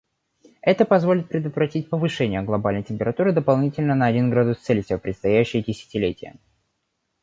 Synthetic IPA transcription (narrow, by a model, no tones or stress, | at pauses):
ɛt̪əpɐzvo̞lʲɪt̪̚pɾʲɪd̪ət̪vɾɐtʲit̚ʲpəvɨʂɛnʲɪjəɡlˠɐbalʲnəjtʲɪmpʲɪɾɐt̪uɾɨd̪əpɐlˠnʲitʲɪlʲnənəːdʲinɡɾad̪ʊst̪sɛlʲɪsʲɪvʲopɾʲɪt̪st̪ɐjæɕːɪjədʲɪsʲɪ̥tʲɪlʲetʲɪjə̰